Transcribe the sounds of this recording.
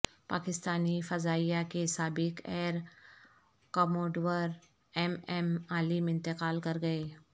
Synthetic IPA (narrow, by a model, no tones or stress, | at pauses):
paːkɪst̪aːnifɐzaːijakesaːbɪkɛːɾ | kɔːmoːɖwəɾ | ɛmɛmaːlimɪ̃nt̪ɪkaːlkɐɾɡɐe